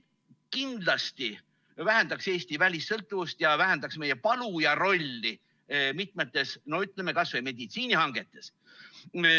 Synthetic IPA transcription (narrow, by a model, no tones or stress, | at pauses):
kind̪̥lɑst̪i | væɦænd̪̥ɑkse̞ːst̪ivælʲisːɤ̞lt̪ːˑuvust̪jɑvæɦænd̪ɑksme̞jepɑlujɑɾo̞lʲːi | mit̪̚ˑmet̪ːˑe̞snoyt̪ˑle̞mekɑsvejme̞d̪̥it̪siːnihɑŋɡ̥e̞t̪ːˑe̞s